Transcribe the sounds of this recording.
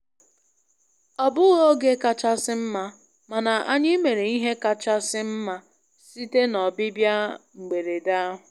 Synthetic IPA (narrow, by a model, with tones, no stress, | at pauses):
ɔ˨bʊ˦ɣo˦ɡe˦ka˨t͡ʃa˦sɪ˦m̩˦ma˦ | ma˨na˨ʔa˦ɲɪ˦me˨ɾe˨i˦ɦe˦ka˨t͡ʃa˦sɪ˦m̩˦ma˦ | si˦te˦nɔ˨bɪ˦bja˦ŋ͡m̩˨ɡ͡be˨ɾe˨da˦ɦʊ˨